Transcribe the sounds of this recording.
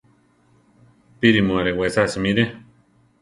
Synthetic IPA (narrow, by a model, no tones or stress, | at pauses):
piɾimuaɾewesasimiɾe